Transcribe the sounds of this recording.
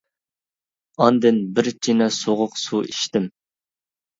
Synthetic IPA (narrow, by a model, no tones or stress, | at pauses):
ɑnd̪ɪnbɪɾt͡ʃʰinɛsoʁʊqsuiʃt̪ɪm